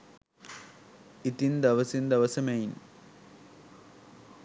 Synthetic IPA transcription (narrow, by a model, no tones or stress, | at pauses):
it̪ind̪ɐʋɐsind̪ɐʋɐsɐmɐjn